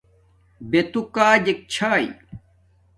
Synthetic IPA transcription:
bet̪ukaːd͡ʑek̚t͡ɕʰaːi

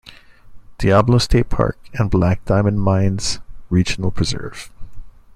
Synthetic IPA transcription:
d̥iæbl̩ˠəʊstʰeɪt̚pʰɑ̰ɹkɨ̃nblæk̚d̥ãɪ̃mɨ̃nmãɪ̃nz̥ɹid͡ʒn̩l̩ˠpʰɹ̥ɨzɜ̰˞v̥

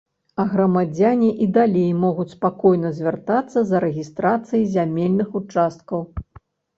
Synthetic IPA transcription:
ɐɣɾɐmad͡zʲanʲiʔid̪alʲejmɔɣut͡sʲspakɔjnɐzʲvʲart̪at̪sːɐzɐɾɛɣʲist̪ɾat̪sɨjizʲamʲelʲnɨxut͡ʂast̪̚kɐw

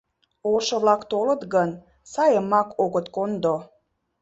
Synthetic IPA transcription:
oʃɤ̆βlɑkt̪olə̆t̪ɣən | sɑjəmːɑkʰoɣət̪kond̪o

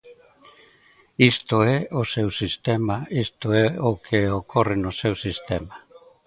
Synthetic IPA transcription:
ist̪oeoseusist̪emaist̪oeokʰeːokʰorinosewsist̪ema

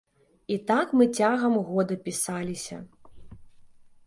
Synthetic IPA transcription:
it̪akmɨt͡sʲaɣɐmɣɔd̪ɐpʲisalʲisʲɐ̰

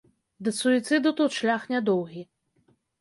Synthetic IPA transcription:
d̪ɨsuit̪sɨd̪ut̪ut̪ʂlʲaxnʲad̪ɔwɣʲi

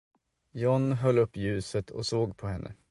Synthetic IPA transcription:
jɔnɦœlːɵpːjʉ̟ːsət̪ʰɔ̰soːɡpʰɔɦɛnːʔə̰

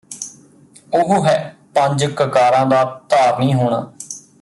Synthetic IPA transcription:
ʊɦʊɦɛːpə̃ɲd͡ʒkəkaːɾãːd̪aːt̪aːɾnĩːɦoːɽ̃a̰ː

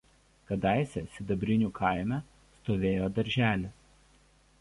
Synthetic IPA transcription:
kɐd̪ɑˑɪsʲɛsʲɪd̪ɐbʲɾʲɪnʲuːkʰɐˑɪmʲɛ | st̪oːʋʲeːjoːd̪ɐɾʲʒʲæːlʲɪ

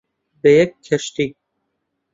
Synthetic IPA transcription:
bejekʰːeʃt̪i

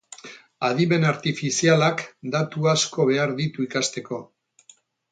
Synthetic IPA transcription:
aðime̞naɾt̪ifisialakd̪at̪uasko̞β̞e̞aɾðit̪uikast̪e̞ko̞

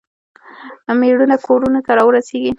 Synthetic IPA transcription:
meɽunakʰoɾunot̪aɾɑwəɾaseɡi

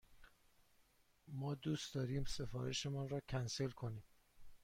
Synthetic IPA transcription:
mɒːd̪uːst̪d̪ɒːɾiːmse̞fɒ̰ːɾḛʃe̞mɒːnrɒːcʰænse̞lkʰo̞niːm

